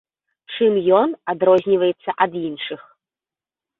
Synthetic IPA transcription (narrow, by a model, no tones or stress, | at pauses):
t͡ʂɨmjɔnad̪ɾɔzʲnʲivɐjɛt̪sːɐʔɐd̪inʂɨx